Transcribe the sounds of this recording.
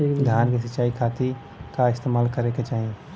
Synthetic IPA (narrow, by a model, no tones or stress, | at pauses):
d̪ʱjaːnkesɐt͡ʃaːikʰaːt̪i | kaɪst̪eːmaːlkəɾeket͡ʃaːɦie